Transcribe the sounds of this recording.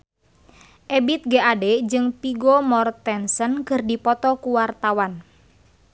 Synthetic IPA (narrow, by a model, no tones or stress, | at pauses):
ʔebit̪̚ɡeʔadɛd͡ʒɨŋpiɡomɔrt̪ɛnsənkɨrdipɔt̪ɔkuwart̪awan